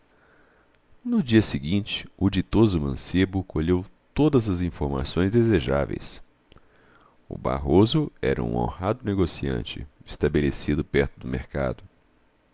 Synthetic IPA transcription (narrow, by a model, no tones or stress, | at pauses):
nʊd͡ʒiɐsɪɡĩnt͡ʃɪ̥ʊd͡ʒit̪ozʊmɐ̃sebʊkoʎewt̪od̪ɐzɐzĩfoɾma̰sõj̃zd̪ezeʒa̰vḛjs | ʊ̰ba̰ɦozʊɛ̰ɾɐ̰ṵ̃õ̰had̪ʊneɡosiɐ̰̃nt͡ʃɪ̰ɪst̪abelesid̪ʊpɛɾt̪ʊd̪ʊmḛɾka̰d̪ʊ